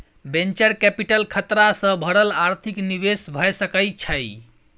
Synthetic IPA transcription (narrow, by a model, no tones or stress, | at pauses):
bẽnt͡ʃəɾkɛpiʈəlkʰət̪ɾasə̃bʱəɽəlaɾt̪ʰikniʋesbʱəjsəkəjt͡ʃʰəj